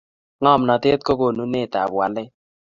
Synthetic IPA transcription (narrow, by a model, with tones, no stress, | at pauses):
ŋɔ˦˨mnɔ˨tɪ˦t̪̚ko˦ko˨nu˦ne˦˨ta̰˨bwa˨lɛ˦